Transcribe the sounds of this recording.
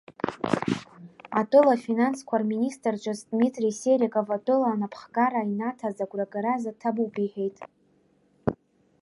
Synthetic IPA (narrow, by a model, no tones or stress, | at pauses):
atʼɨlafinanskʷʰarministʼrt͡ʃʷʼazdmitʼriseɾikʼavatʼɨlaːnapʰχkʼaɾainatʰazaɡʷʼraɡaɾazatʰabupʼiħe̞jtʼ